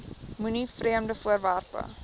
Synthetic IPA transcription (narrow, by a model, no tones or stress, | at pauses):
munifriəmdəfuərværpə̰